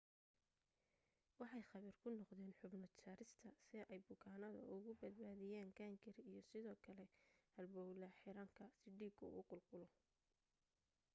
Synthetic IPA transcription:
wɑħɑjχɑβiːrkʰʊnɔqðɛːnħʊbnɐt͡ʃʰaːɾɪst̪ʰɐsɪɛjbʊkʰaːnɐðɐ̰ʔʊɣʊbɐd̪̚baːðɪjaːŋɡaːŋɡʰɪrijɞsɪðɔːkʰɐlɛhɐlbɔːwlɐħɪɾaːŋkʰɐsɪɖiːbkʰɐṵqʊlqʊlɔ

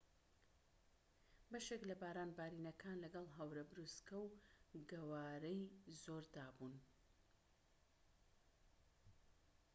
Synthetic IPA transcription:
bɐʃeklɐbaːɾaːnbaːɾiːnɐkʰaːnlɐɡɐlˠɦɐwɾɐbɨɾuskɐwɡɐwaːɾɛjzoɾd̪aːbun

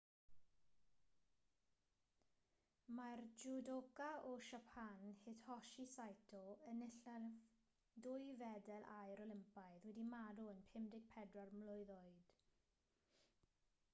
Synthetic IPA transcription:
mard͡ʒudokaɔʃapʰanhɪdhɔʃisajtʰɔənɪɬa | dʊɨjvɛdɛlˠʔajɾɔlˠɪmpajðwɛdimaɾɔənpʰɪmdɪɡ̥̚pʰɛdrɔrmlʊɨðɔɨd̥

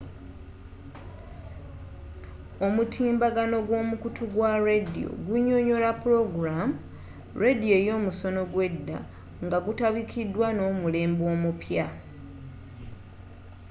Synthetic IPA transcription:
o̞mutʰiːmbaɡano̞ɡwo̞ːmukutuɡwaredḭo̞̰ɡuɲo̞ɲo̞lapuɾo̞ɡuɾam | ɾedio̞jo̞ːmuso̞no̞ɡwe̞dːa̰ | ŋɡaɡutaβikʰidːwano̞ːmule̞ːmbo̞ːmupja

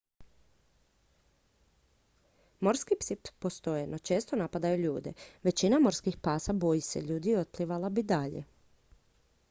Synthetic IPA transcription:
mo̞ɾskipsip̪post̪o̞jenʔo̞t͡ʃe̞ːst̪o̞napad̪ajuʎuːd̪eʋe̞t͡ɕinamo̞ɾskixpaːsabo̞jise̞̰ʎuːd̪ieo̞t̪̚pliʋalabid̪aʎḛ

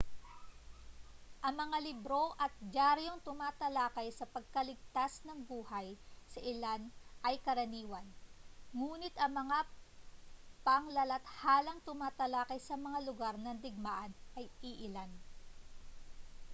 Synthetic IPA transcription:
ʔɐŋmɐŋalɪbɾo̞ʔɐt̪̚d͡ʒaɾjoŋt̪ʊmaːt̪ɐlaːkɐjsɐpɐɡ̚kɐlɪɡ̚t̪asnɐŋbuːhɐjsɐʔɪlanʔɐjkɐɾɐniːwɐnŋuːnɪt̪ɐŋmɐŋa | pɐŋlɐlɐt̪haːlɐŋt̪ʊmaːt̪ɐlaːkɐjsɐmɐŋalʊɡaɾnɐŋd̪ɪɡ̚maːʔɐnʔɐjʔiʔɪlan

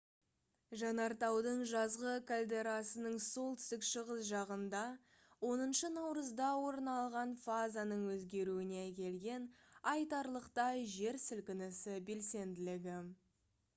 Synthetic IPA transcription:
ʒɑnɑɾt̪ɑwd̪əɴʒɑzʁəkʰalʲd̪e̞ɾasənəɴso̞lˠt̪ʏ̥st̪ɪkʃəʁəsʒɑʁənd̪ɑ | wo̞nənʃənɑwɾəzd̪ɑwo̞ɾnɑlˠʁɑnfazanəɴwɵzɡʲe̞ɾuɪneækʲe̞lɡʲe̞nɑjt̪ɑɾlˠəqt̪ɑʒe̞ɾsɪlkʲɪnɪsɪbe̞lse̞nd̪ɪlɪɡʲɪ

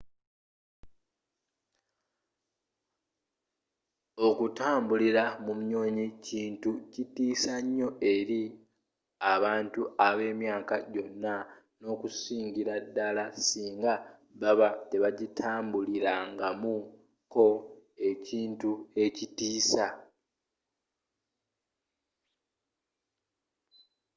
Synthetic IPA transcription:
okutaːmbuliɾamumɲo̞ːɲiciːntucitiːsaɲːo̞e̞ɾi | aβaːntuaβe̞ːmjaːkaɟo̞nːa | no̞ːkusiːɲɟiɾadːalasiːŋɡa | βaβate̞βaɟitʰaːmbuliɾaŋɡamu | ko̞e̞ciːntue̞citiːsa

